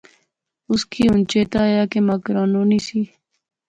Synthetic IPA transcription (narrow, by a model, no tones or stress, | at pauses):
ʊskiːʊnt͡ʃeːt̪aːjaːkemakɾaːnoːniːsiː